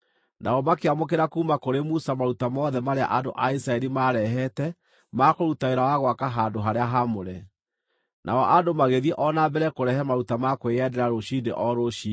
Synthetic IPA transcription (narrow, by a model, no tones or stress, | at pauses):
nʔaɔmakeamok̬eɾakuːmakoɾemusamaɾutamɔðɛmaɾea̰ʔandoʔaisɾaɛɾimaɾɛɦɛtɛ | makoɾutaeɾawaɣwakaɦandoɦaɾeaɦamoɾɛ | nʔa̰ɔʔadomaɣeðiɛʔɔnabɛɾɛkoɾɛhɛmaɾutamakweɛdɛɾaɾoɕidḛʔɔɾoʃi